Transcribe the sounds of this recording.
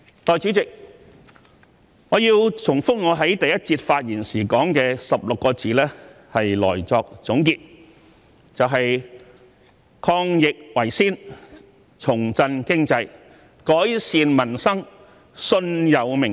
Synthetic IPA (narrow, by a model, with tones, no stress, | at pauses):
t̪ɔː˨˩jt͡syː˨˥t͡sɪ˨k̚ | ŋɔː˨˧jiː˧wt͡sʰʊ˨˩ŋfʊ˥k̚ŋɔː˨˧ɦɐ˨˥jt̪ɐ˨jɐ˥t̚t͡siː˧t̚faː˧t̚jiː˨˩nsiː˨˩kɔː˨˥ŋkɛː˧sɐ˨p̚lʊ˨kːɔː˧t͡siː˨˥lɛː˥ | hɐ˨jlɔ̰ː˨˩jt͡sɔː˧k̚t͡sʊ˨˥ŋkiː˧t̚ | t͡sɐ˨wɦɐ˨j | kʰɔː˧ŋjɪ˨k̚wɐ˨˩jsiː˥n | t͡sʰʊ˨˩ŋt͡sɐ˧nkɪ˥ŋt͡sɐ˧j | kɔː˨˥jsiː˨˧nmɐ˨˩nsɐ˥ŋ | sɵ˧njɐ˨˧wmɪ˨˩ŋ